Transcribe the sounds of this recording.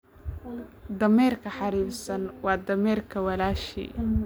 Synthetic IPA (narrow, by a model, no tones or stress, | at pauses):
d̪ɐmɛːrkʰɐħɑɾiːbsɐnwɑːd̪ɐmɛːrkʰɐwɐlaːʃḭː